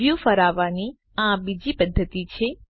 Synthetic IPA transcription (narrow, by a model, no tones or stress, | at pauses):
jufəɾaʋani | ãbid͡ʒipəd̪ʱːət̪it͡ʃʰe